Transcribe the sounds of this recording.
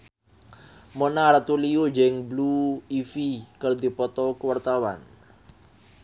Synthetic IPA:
monaɾat̪uliod͡ʒɛŋbluifikərd̪i̤pɔt̪ɔkəwart̪awa̰n

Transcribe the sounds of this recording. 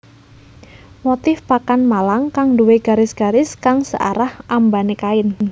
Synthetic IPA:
mot̪ɪfpakanmalaŋkaŋduweɡ̥a̤ɾɪsɡ̥a̤ɾɪskaŋsə̰ʔa̰ɾahʔambanekaɪn

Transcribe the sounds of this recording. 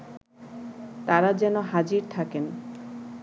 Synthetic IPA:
t̪aɾad͡ʑɛnoɦad͡ʑiɾt̪ʰaken

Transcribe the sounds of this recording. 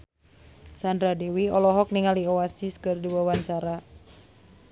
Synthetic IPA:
sandɾadewiɔlɔɦɔk̚niŋaliɔasiskɨrdiwawaɲt͡ʃaɾa

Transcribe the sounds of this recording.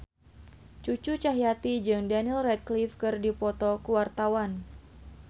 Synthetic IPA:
t͡ʃut͡ʃut͡ʃaɦjat̪id͡ʒɨŋdanilrɛt̪̚klifkɨrdipɔt̪ɔkuwart̪awan

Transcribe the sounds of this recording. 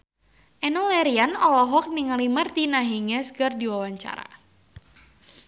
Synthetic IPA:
ʔɛnɔlɛɾianɔlɔɦɔk̚niŋalimart̪inaɦiŋɛsɡardiwawaɲt͡ʃa̰ɾa̰

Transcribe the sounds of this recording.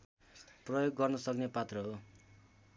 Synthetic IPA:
prʌjoɡːʌrnʌsʌknepat̪rʌɦo

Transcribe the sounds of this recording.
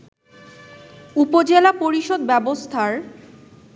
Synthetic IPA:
upod͡ʑelapoɾiʃod̪bɛbost̪ʰaɾ

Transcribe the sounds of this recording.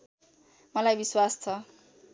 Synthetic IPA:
mʌlajbiswast͡sʰʌ

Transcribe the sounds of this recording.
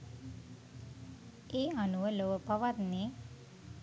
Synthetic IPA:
eːanuʋəloʋəpaʋat̪ne

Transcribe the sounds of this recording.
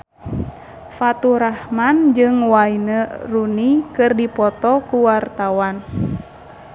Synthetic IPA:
fat̪uɾahmand͡ʒɨŋwainərunikɨrdipɔt̪ɔkuwart̪awan

